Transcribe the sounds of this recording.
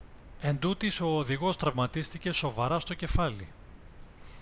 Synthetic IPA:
e̞nd̪ut̪iso̞ːðiɣo̞st̪ɾɐvmɐt̪ist̪ice̞so̞vɐɾɐst̪o̞ce̞fɐli

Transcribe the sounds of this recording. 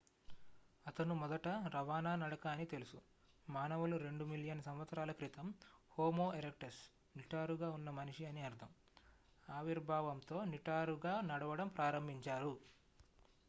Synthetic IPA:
ɐt̪ɐnumɔd̪ɐʈɐɾɐʋaːnaːnɐɽɐkaːnit̪e̞lusu | maːnɐʋɐluɾe̞ɳɖumiljɐnsɐmʋɐt̪sɐɾaːlɐkɾit̪ɐmhoːmoːeɾek̚ʈɐs | niʈaːɾuɡaːunːɐmɐniʂiɐniɐɾd̪ʰʱɐm | aːʋiɾbʱaːʋɐmt̪o̞ːniʈaːɾuɡaːnɐɽɐʋɐɽɐmpɾʔaːɾɐmbʱiɲt͡ʃaːɾu

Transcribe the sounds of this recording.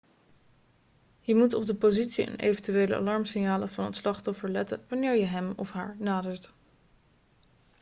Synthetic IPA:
jəmutɔb̚dəpozitsiə̰nʔḛjvəntyʋeːlə̰ʔɑ̰lɑɹmsɪnjaːləvɑnətslɑχtɔfəɹlɛtə̰nʋɑnɪːɹjəɦɛmɔfɦa̰ːɹnaːdəɹt

